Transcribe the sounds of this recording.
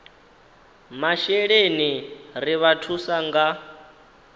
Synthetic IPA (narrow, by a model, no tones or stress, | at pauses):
maʃɛɺeniriβatʰusaŋɡa